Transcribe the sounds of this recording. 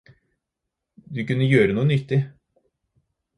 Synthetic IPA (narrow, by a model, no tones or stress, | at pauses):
d̪ʉkʉnːəjøːɾənuːənʏt̪ːɪ